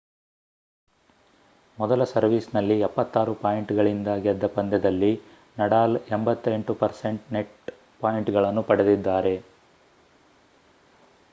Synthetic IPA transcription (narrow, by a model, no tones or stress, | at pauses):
mɔd̪ɐlɐsɐɾʋiːsnɐlːiɛpːɐt̪ːaːɾupaːjiɳʈɡɐɭind̪ɐɡɛd̪ːɐpɐnd̪ɛd̪ɐlːi | nɐɽaːlembɐt̪ːe̞ɳʈupɐɾse̞ɳʈneʈ | paːjiɳʈɡɐɭɐnːupɐɽed̪id̪ːaːɾe̞